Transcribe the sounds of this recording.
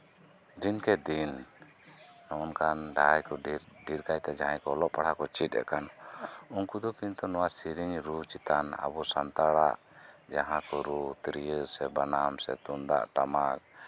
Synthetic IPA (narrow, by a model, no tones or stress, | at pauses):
d̪inkɛd̪in | nɔɔnkanɖajkɔɖiɾkajt̪ad͡ʒaɦãkɔlɔʔpaɽhakɔt͡ʃit̪̚ˀɛ̰ʔkanuŋkud̪ɔkint̪ɔnɔwasiɾiɲɾut͡ʃit̪ana̰bɔsant̪aɽaʔ | d͡ʒaɦãkɔɾut̪ɾijəɾsɛbanamsɛ̰t̪und̪a̰ʔʈamak̚